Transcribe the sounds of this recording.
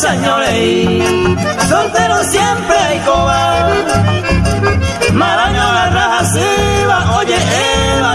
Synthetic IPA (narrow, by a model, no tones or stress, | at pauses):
saɲoɾe | sont̪eɾosjempɾejkoβa | maɾaɲoɣarahasiβaʔoʝeʔeβa